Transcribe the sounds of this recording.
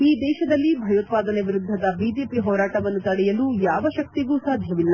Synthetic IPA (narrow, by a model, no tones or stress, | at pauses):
iːd̪ɛːʃɐd̪ɐlːibʱɐjoːt̪̚paːd̪ɐneʋiɾud̪ʱːɐd̪ɐbiːd͡ʒeːpiɦɔːɾaːʈɐʋɐnːut̪ɐɽɛjɐluːjaːʋɐʃɐk̚t̪iɡuːsaːd̪ʱjɐʋilːɐ